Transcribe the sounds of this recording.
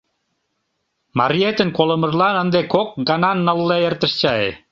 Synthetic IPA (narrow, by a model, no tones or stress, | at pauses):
mɑɾiet̪ənkolə̆mə̆rlɑnə̆nd̪ekok̚ɡɑnɑnːəlːeert̪ə̆ʃt͡ɕɑḛ